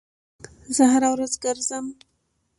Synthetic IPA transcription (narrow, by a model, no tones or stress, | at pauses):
zəɦaɾawɾazɡəɾzəm